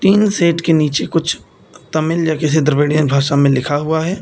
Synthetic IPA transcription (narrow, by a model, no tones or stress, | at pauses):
ʈ̪iːnseːʈkeniːt͡ʃekʊt͡ʃʰ | t̪ɐmɪljakɪs̬id̪əɾʋeːɽijənbʱaːʃamẽlɪkʰaɦʊaɦɛː